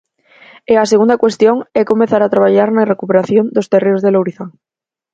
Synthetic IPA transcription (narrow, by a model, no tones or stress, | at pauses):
easeɣund̪akwe̞st̪joŋekomẽθaɾat̪ɾaβ̞aʎaɾnarekupeɾaθjond̪ost̪ereozðelowɾiθaŋ